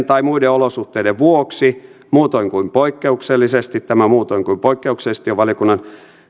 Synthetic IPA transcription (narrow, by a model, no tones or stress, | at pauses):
nt̪ɑimuideolosuht̪eideʋʋuoksi | muːt̪oiŋkuimpoikːeukselːisest̪it̪t̪æmæmuːt̪oiŋkuimpoikːeuksest̪ioʋʋɑlijokunːɑn